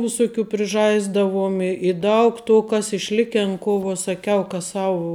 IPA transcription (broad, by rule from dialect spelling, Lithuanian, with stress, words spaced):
ʋʲɪˈsʊˌkʲuː pʲrʲɪˈʒɐɪzdɐʋuɔm ɪ ɪ ˈdɐʊk toː ˈkɐs ɪʃʲˈlʲɪkʲɛn ˈkoː ʋoː sɐˈkʲɛʊ kɐ ˈsɑːʋʊ